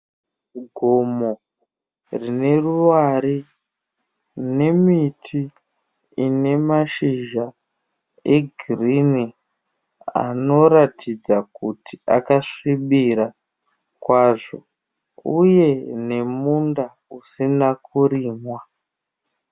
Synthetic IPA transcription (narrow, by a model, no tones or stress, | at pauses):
ɡʱomo̞ | rine̞ruʋwaɾi | ne̞mitʰi | ine̞maʃiʒa | eɡʱrini | a̰no̞ɾatʰid͡zakutʰia̰kaʂimɓiɾa | kwaːʐo̞̰ | uje̞ne̞munda | usinakuɾiːmwa